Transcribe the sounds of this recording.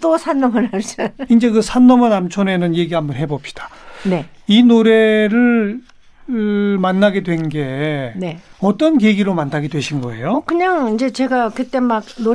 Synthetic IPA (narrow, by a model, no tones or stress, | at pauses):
t͈osʰanːʌmɯnaɭsɯind͡ʑe̞kɯsʰanːʌmʌnamt͡ɕʰone̞nɯnje̞ɡiɦambʌnɦe̞bop̚ɕi̥d̥ḁne̞ | inoɾe̞ɾɯɭ | manːaɡe̞dwe̞nɡe̞neʌt͈ʌnkeɡiɾomanːaɡedwe̞ɕʰinɡʌe̞̰jokɯɲaŋind͡ʑe̞t͡ɕe̞ɡakɯt͈e̞mak̚no